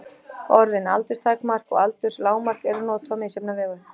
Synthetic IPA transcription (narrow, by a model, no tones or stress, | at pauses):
ɔɾðɪna̰lt̪ʏst̪ʰaːjkmar̥kɔ̰ɣalt̪ʏɾ̥slaːwmar̥kɛɾʏnɔːt̪ʰɔmɪisɛpnavɛːɣʏ